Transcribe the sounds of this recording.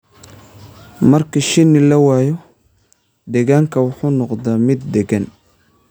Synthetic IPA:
mɐrkʰɐʃɪnːɪlɐwaːjɔ | d̪ɛɣaːŋkʰɐwʊħuːnɔqd̪amɪd̪̚ːɛɡɐn

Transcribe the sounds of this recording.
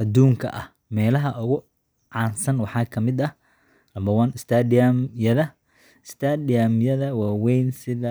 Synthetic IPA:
ʔɐd̪uːŋkʰɐ̰ʔɐ̰h | mɛːlɐɦɐʔʊɣʊ | ʕɑːnsɐnwɑħɑːkʰɐmɪd̪ɐh | lɐmbɐwɐnɪst̪ʰaːdɪjamjɐðɐ | ɪst̪ʰadɪjamjɐðɐwaːwɛjnsɪðɐ

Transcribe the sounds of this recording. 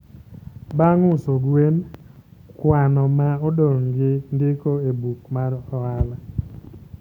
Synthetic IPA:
baŋʊsoɡwen | kwanɔmaɔdoŋɡɪndɪkoebukmaɾɔala

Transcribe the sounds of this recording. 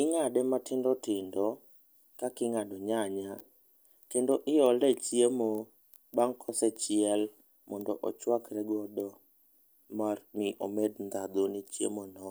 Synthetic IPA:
ɪŋadɛmatɪndɔtɪndɔ | kakɪŋadɔɲaɲa | kendoʔɪjɔlɛt͡ʃjemo | baŋkʰɔsɛt͡ʃɪɛl | mɔndɔʔɔt͡ʃwakɾɛɡɔdɔ | marmɪʔomednd̪ad̪onit͡ʃjḛmonɔ

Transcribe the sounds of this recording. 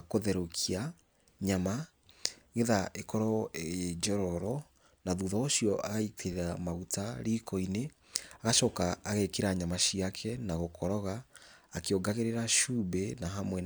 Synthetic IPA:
koðɛɾokʰia | ɲama | ɣeðaʔekɔɾɔeed͡ʒɔɾɔɾɔ | naðuðɔoʃijɔʔaɣaitʰeɾamaɣutaɾiːkʰɔine | aɣaʃɔkaːɣekeɾaɲamaʃiakʰɛnaɣokʰɔɾɔɣaːkeoɡaɣeɾeɾaʃubɛnaɦamwɛ

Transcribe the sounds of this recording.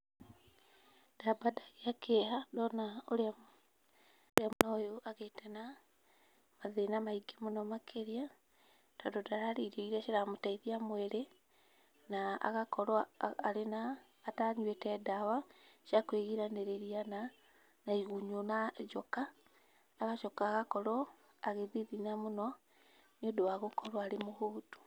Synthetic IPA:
d̥abadaɣeakʰeɦadɔnaoɾ | oɾeamonaojoʔaɣetɛna | maðenamaiɡemonɔmakʰeɾia | d̥ɔdɔdaɾaːɾeɾeɣiɾaʃeɾamotaiðiamwɛɾe | naa̰ɣakɔɾwːɾenaː | taɲwetɛdawaʃakweɣiɾaneɾeɾiana | naiɣuɲonad͡ʒɔkaː | ɣaʃɔkaːɣakɔɾɔ | aɣeðiðinamonɔ | niodowaɣokɔɾwaɾemohoːtu̥

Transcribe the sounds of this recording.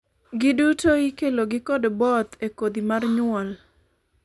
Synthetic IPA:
ɡɪdutoikeloɡɪkɔdbɔt̪ekod̪imarɲʊɔl

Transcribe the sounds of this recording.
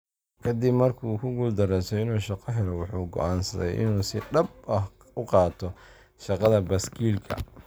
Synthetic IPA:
kʰɐd̪ɪbmɐrkʰuːkʰʊɡuːld̪ɐɾɛsɔɪnuːʃɑqɔɦɛlɔwɑħuːɡɔ̰ʔaːnsɐ̰ðɛ̰jʔɪ̰nuːsɪɖɐb̚ɐh | ʊqɑːt̪ʰɔ | ʃɑqɑðɐbɐskʰiːlkʰɐ̰

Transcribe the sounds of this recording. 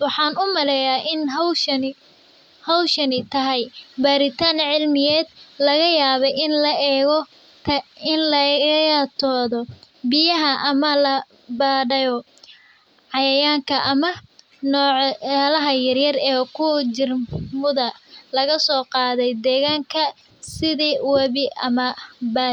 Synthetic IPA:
wɑħɑːnʊmɐlɛjaːʔɪnɦʃɐn | hɐwʃɐnɪt̪ʰɐɦɛjbaːɾɪt̪ʰaːnʕɪlmɪjɛːd̪lɐɣɐjaːβɛjɪnlɐɛːɣɔ | ɪnlɐat̪ʰɔːðɔ | bɪjɐɦɐʔɐmɐlɐ | baːɖɐjɔ | ʕɑjɐjaːŋkʰɐʔɐmɐ | nɔːʕaːlɐɦɐjɐrjɐrɛːkʰʊd͡ʒɪrmʊðɐlɐɣɐsɔːqɑːðɛjd̪ɛːɣaːŋkʰɐ | sɪðiːwɑβɪʔɐmɐbaː

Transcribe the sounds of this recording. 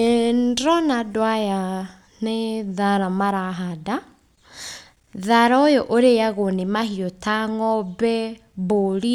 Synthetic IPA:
endɔnadwaja | neðaɾamaɾaɦada | ðaɾaojoʔoɾejaɣonemaɦiɔtaŋɔbɛ | boɾi

